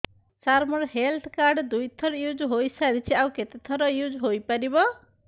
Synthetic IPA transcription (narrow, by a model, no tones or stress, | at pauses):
saɾmɔɽɦelt̪ʰkaɾɖd̪ujt̪ʰɔɾjud͡ʒɦojsaɾit͡ʃʰiawket̪et̪ʰɔɾɔjud͡ʒɦojpaɾibɔ